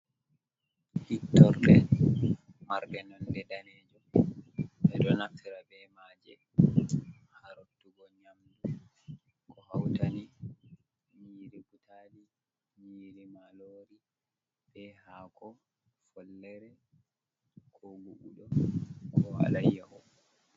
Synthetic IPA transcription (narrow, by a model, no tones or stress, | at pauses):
hitːɔɾɗɛ | maɾɗɛnɔnɗɛdanɛːd͡ʒɔ | bɛdɔnaftʰiɾabɛmaːd͡ʒɛ | haɾotːuɡɔɲamdu | kʰɔhawtani | miɾiɡutʰaːli | miɾimaloːɾi | bɛhaːkɔ | fɔlːɛɾɛ | kʰɔɡuʔuɗɔkʰɔha̰lajːaʔɔ